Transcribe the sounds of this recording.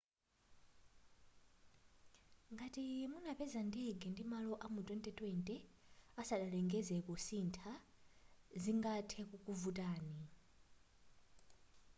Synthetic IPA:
ŋɡatimunapɛzandɛɡɛndimalɔʔamutʼɛntʼɛtʼwɛntʼɛasaɗalɛŋɡɛzɛkɔsintʰa | ziŋɡatʰɛkukʼuvutʼaːni

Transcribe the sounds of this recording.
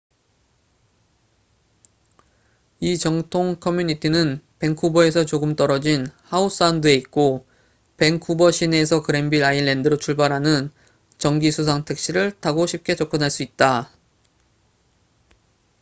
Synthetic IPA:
it͡ɕʌŋtʰoŋkʰʌmjuɲitʰinɯnpe̞ŋkʰubʌe̞sʰʌt͡ɕoɡɯmt͈ʌɾʌd͡ʑinhaus͈andɯe̞it̚k͈o | pe̞ŋkʰubʌɕʰines̬ʰʌkɯɾe̞mbiɾaiɭːe̞ndɯɾot͡ɕʰuɭbaɾɦanɯn | t͡ɕʌŋɡisʰus̬ʰaŋtʰe̞k̚ɕ͈iɾɯɭtaɡoɕʰip̚k͈e̞t͡ɕʌk͈ʌnɦaɭs͈uit̚t͈a

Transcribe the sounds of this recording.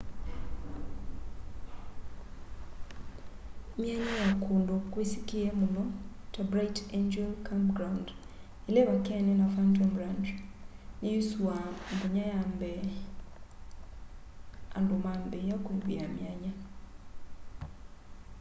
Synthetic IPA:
mjaɲajakʰondokwesikiɛmunɔtabɾaitend͡ʒɛlkʰampɡɾawnd | ileβakɛnɛnafantɔmbɾand͡ʒnijuswambuɲajambɛ | andomambɛjakuɾuβiamjaɲa

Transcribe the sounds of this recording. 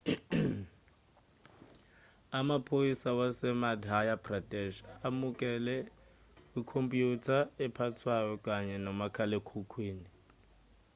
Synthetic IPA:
amapʰoisawasɛmadɦajapʼradʼɛʃamukʼɛlɛ | ikʰompʼjutʰaɛpʰatʰwajɔkʼaɲɛnɔmakʰalekʰukʰwiːni

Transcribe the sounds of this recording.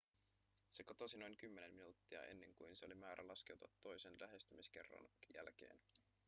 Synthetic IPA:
se̞ko̞t̪o̞sino̞jŋkymːene̞mminuːt̪ːiɑ̰ʔe̞̰nːe̞ŋkujnse̞olimæːɾʔælɑske̞wt̪ɑt̪ːo̞jse̞nlæɦe̞st̪ymisk̟e̞̰rːɑ̰njæ̰lk̟e̞̰ːn

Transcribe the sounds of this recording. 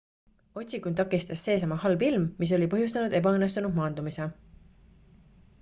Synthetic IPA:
o̞t̪ʲsikunt̪ɑkːist̪ɑsːe̞ːs̬ɑmɑhɑlbilmːis̬o̞lʲipɤ̞ɦjus̬t̪ɑnud̪e̞bɑɤnːe̞st̪unud̪mɑːnd̪umise

